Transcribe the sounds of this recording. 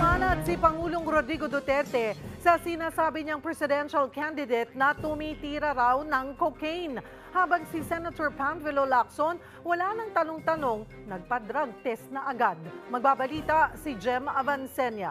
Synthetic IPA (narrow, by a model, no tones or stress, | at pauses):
aːnɐd̪̚sipɐŋuːlo̞ŋɾod̪ɾiɡod̪ot̪ɛɾt̪ɛsɐsɪnaːsaːbɪɲɐŋpɾɛsɪd̪ɛnʃɐlkand̪ɪd̪ejt̪̚nɐt̪ʊmiːt̪iːɾɐɾawnɐŋkokejn | haːbɐŋsisɛnɐt̪oɹpanfɪlolak̚son | wɐlanɐŋt̪ɐno̞ŋt̪ɐno̞ŋ | nɐɡ̚pɐd̪ɾaɡ̚t̪ɛsnɐʔɐɡad̪̚mɐɡ̚babɐliːt̪ɐsid͡ʒɛmɐvɐnsɛnjɐ